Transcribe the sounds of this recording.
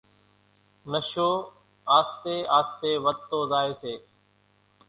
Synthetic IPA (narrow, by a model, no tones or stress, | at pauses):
nəʃoː | aːst̪eːaːst̪eːʋət̪ːoːzaːeːseː